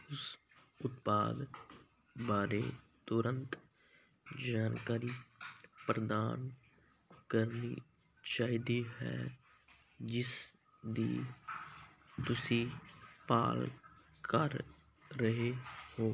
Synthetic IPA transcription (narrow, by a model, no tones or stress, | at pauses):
ʊs | ʊt̪pa̰ːd̪ | baːɾeː | t̪ʊɾənt̪ | d͡ʒaːnkaːɾiːpɾəd̪aːn | kəɾnḭː | t͡ʃaːɦiːd̪iːɦɛ̰ː | d͡ʒɪs | d̪iː | t̪ʊsĩːpa̰ːl | kəɾː | əɦehoː